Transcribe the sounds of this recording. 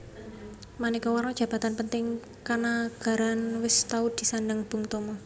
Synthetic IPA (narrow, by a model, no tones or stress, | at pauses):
manikɔwaɾnɔd̥ʒ̥ä̤b̥a̤t̪anpənt̪ɪŋ | kanaɡ̥a̤ɾanwɪst̪aud̪̥i̤sandaŋb̥ṳŋt̪ɔmɔ